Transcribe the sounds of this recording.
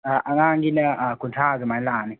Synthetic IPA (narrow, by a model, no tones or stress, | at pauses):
aʔaŋaːŋɡinaakuntʰaːzimailaːni